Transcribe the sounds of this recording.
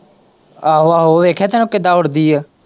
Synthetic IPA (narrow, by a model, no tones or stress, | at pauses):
aːɦoːaːɦoːʋeːkʰɛːt̪ɛːnũːkɪd̪aːʊɽd̪iːɛː